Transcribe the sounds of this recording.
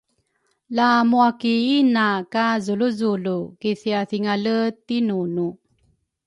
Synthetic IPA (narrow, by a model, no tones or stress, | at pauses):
lamuakiinakazuluzulukiθiaθiŋalət̪inunu